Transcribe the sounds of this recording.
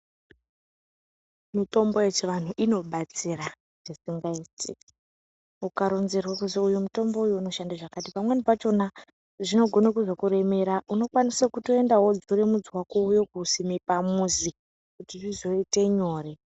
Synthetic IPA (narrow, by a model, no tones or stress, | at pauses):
mito̞mboet͡ʃeʋan̤uʔino̞ɓat͡sira | ʐ̥isiŋɡaitḭ | ukaɾo̞nzerwakuzoujumuto̞mbo̞ujuːno̞ʃandaʐakatipamwe̞nipat͡ʃo̞na | ʐino̞ɡʱo̞nakuzo̞kuɾe̞me̞ɾaʔuno̞kwanisakuto̞endaɦo̞d͡zuɾemud͡zwakoujo̞kusimipamuzi | kutiʐizo̞ite̞ɲo̞ːre̞